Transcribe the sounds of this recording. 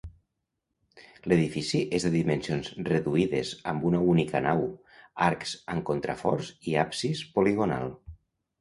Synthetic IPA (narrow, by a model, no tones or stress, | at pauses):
leðifisiʔezðeðimensionzreðuiðezəmbunaunika̰naw | aɾksaŋkont̪ɾa̰fɔɾziapsispoliɣona̰lˠ